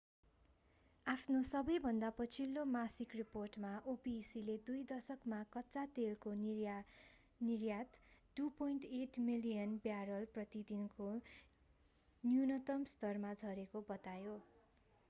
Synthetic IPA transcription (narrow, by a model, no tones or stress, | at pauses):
apʰnosʌbʌjbʱʌnd̪apʌt͡sʰilːomasikriporʈmaʔopisiled̪ujd̪ʌsʌkmakʌtːsat̪elko | nirjat̪ʈupojɳʈeʈmilijʌnbjaɾʌlprʌt̪id̪inko | njunʌt̪ʌmst̪ʌrmad͡zʱʌɾekobʌt̪ajo